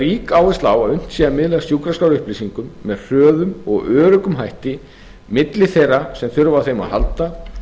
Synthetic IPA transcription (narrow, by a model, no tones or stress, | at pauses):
ɾiːkaːwɪst̪aːwaðʏn̥t̪siðamɪðlɪasjuːkɾaskawɾʏhplisiŋkʏmːɛðr̥œːðʏmɔ̰ɣœːɾʏkʏmɦajht̪ɪ | mɪt̪lɪθejrːasɛmθʏɾvaθejma̰ðha̰lt̪a